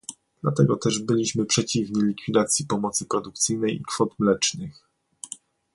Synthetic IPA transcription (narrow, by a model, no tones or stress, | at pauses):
d̪lat̪ɛɡɔt̪ɛʐbɘlʲiɕmɘpʂɛt͡ɕivɲilʲikfʲid̪at̪sʲjipɔmɔt̪sɘpɾɔd̪uk̚t̪sɘjnɛjikfɔt̪mlɛt͡ʂnɘx